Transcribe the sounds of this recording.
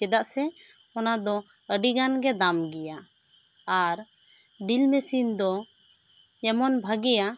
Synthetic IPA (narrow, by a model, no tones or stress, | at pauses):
kɛd̪aʔsɛɔnad̪ɔəɖiɡanɡɛd̪amɡɛjaː | ɾɖilmesind̪ɔ | ɛmɔnbʱəɡɛja